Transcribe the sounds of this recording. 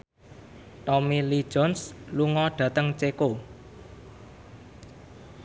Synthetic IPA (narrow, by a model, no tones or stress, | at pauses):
t̪ɔmilid̥ʒ̥ɔ̤nsluŋɔɖ̥ä̤t̪əŋt͡ʃeko